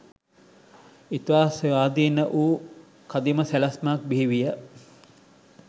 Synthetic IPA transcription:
it̪ʋaːsʋaːd̪iːnəʔuː | kad̪iməsælɐsmak̚biɦiʋijə

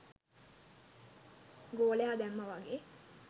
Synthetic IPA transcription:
ɡoːleɦad̪æmːəʋaɡe

